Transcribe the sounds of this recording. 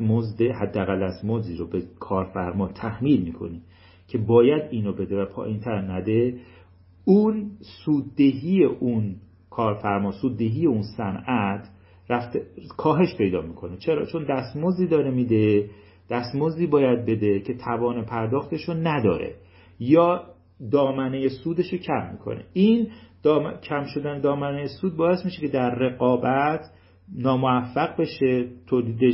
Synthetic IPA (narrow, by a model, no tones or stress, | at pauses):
mozd̪ehæd̪ːeæɣælːæst̪mozd̪iːɾobekʰɒːɾfæɾmɒːt̪ʰæhmiːlmiːkʰo̞̰niː | cʰe̞bɒːjæd̪iːnobe̞d̪e̞væpʰɒ̰ːjint̪ʰæɾnæd̪e | unsuːd̪̚ːeɦiːjeʔun | kʰɒːɾfæɾmɒːsuːd̪ːe̞ɦiːje̞unsænæt̪ʰ | ɾæft̪ekʰɒːɦe̞ʃpʰe̞jd̪ɒːmiːkʰo̞net͡ʃʰe̞ɾɒ̰ːt͡ʃʰo̞nd̪æst̪mozd̪iːd̪ɒːɾemiːd̪e | d̪̥æst̪mozd̪iːbɒːjæd̪̚be̞d̪e̞cʰe̞t̪ʰævɒːnepʰæɾd̪ɒːxt̪ʰe̞ʃonæd̪ɒ̰ːɾḛ | jɒː | d̪ɒːmænejesuːd̪e̞ʃocʰæmːḭkʰo̰nḛind̪̥ːcʰæmʃo̞d̪æne̞d̪ɒːmænejesuːd̪̚bɒːe̞smiʃe̞cʰe̞d̪æɾːe̞ɣɒːbæt̪ʰ | nɒːmoæfːæɣbe̞ʃe̞t̪ʰoːliːd̪eʃ